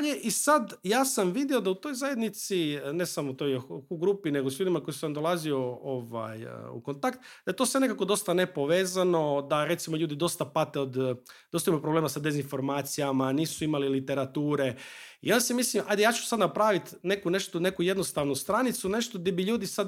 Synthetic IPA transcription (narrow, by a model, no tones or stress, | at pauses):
aʎeʔisad̪jaːsamʋid̪iod̪aut̪o̞jzaje̞d̪nit̪sine̞samot̪ojxuɡɾupine̞ɡo̞sʎuːd̪imako̞jisamd̪olˠazio̞oʋa̰j̰ṵkont̪akt̪d̪̥ajet̪o̞sʋe̞ne̞kako̞d̪o̞st̪ane̞po̞ʋe̞ːzano̞d̪aɾe̞t̪simoʎuːd̪id̪o̞st̪apat̪eod̪d̥̪ost̪jmupɾoble̞ːmasad̪e̞zinfo̞ɾmaːt̪sijamaniːsuimalilit̪e̞ɾat̪uːɾe̞ḭonsemislimʔajd̪ejaːt͡ɕu̥sad̪napɾaːʋit̪ne̞kune̞ʃt̪one̞kuje̞d̪no̞st̪aːʋnust̪ɾanit̪sune̞ʃt̪od̪ibiʎuːd̪isad̪